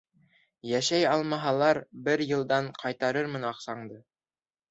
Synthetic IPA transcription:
jæʃæjɑlˠmɑɦɑlˠɑɾbɘɾjɤ̆lˠd̪ɑɴqʰɑjt̪ɑɾɤɾmɘ̆nɑqsɑɴd̪ɤ

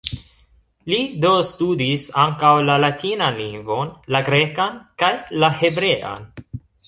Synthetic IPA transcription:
lido̞studisaŋkawlalatʰinanliŋɡvo̞nlaɡɾe̞kankajlahe̞bɾe̞ʔa̰n

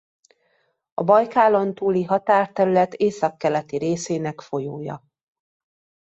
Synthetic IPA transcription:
ɒ̰bɒjkaːlo̞nt̪uːliɦɒt̪aːrt̪ɛɾylɛt̪eːsɒkːɛlɛt̪iɾeːseːnɛkfo̞joːjɒ̰

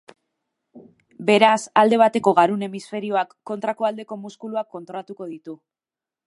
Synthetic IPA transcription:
be̞ɾasald̪e̞β̞at̪e̞ko̞ɣaɾune̞misfe̞ɾio̞akːo̞nt̪ɾako̞ald̪e̞ko̞muskuluakːo̞nt̪ɾo̞lat̪uko̞ðit̪u

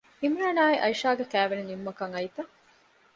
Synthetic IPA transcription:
imɾaːnaːiʔɐiʃaːɡekæːʋenenimːɐkɐŋɐjt̪ɐ

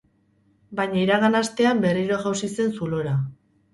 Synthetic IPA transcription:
bajɲaiɾaɣanast̪e̞ambe̞riɾo̞ʝawsise̞nsulo̞ɾa

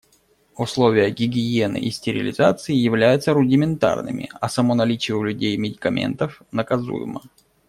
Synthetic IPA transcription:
ʊslˠovʲɪjəɡʲɪɡʲɪje̞nɨ̰ʔisʲtʲɪɾʲɪlʲɪzat̪sɨɪjɪvlʲæjʊt̪səɾʊdʲɪmʲɪnt̪a̰rnɨ̰mʲɪ̰ɐsɐmonɐlʲit͡ɕɪjʊlʲʉdʲejmʲɪdʲɪkɐmʲʔḛnt̪əfnəkɐzṵjɪ̰mə̰

